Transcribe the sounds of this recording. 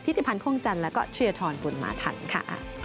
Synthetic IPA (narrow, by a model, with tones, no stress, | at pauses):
tʰi˦˥t̪i˧˩pʰa˧npʰu˥˩əŋt͡ɕa˧nlɛː˦˥wkɔ̰ː˥˩t͡ɕʰɯ˧ɐt̪ʰɔː˧nku˨˧nma̰ː˧˦t̪ʰa̰˧˩nkʰa̰˥˩